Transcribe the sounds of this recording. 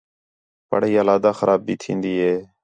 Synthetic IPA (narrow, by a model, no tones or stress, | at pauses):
pə̰ɽiːaːlaːd̪aːxəɾaːb̚biːt̪ʰĩːnd̪iːɦeː